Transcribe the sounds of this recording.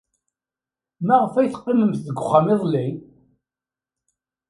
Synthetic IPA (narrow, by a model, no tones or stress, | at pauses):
mæʁəfæjθə̥qːɪməmθðəɡʷʊχːamɪðˤli